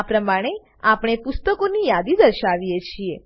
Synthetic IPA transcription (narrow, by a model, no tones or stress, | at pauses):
apɾəmaɽ̃e | apɽ̃epʊst̪əkonijad̪id̪əɾʃaʋijet͡ʃʰie